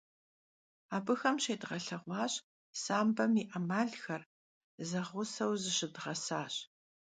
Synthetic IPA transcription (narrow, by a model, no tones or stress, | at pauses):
aːbɨxɐmʃeːdʁɐɬɐʁʷɑːɕ | saːmbɐmiʔɐmaːɮxɐr | zɐʁʷʊsɐwzɨɕɪdʁɐsaːɕ